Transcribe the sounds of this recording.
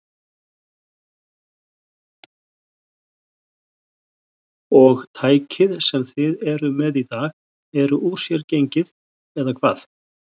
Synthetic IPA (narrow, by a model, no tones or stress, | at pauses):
ɔɣt̪ʰaːjcʰɪðsɛmθɪðɛɾʏmɛðit̪aːɣ | ɛɾʏʔu̥sjɛɾcejɲcɪð | ɛðakʰva̰ːθ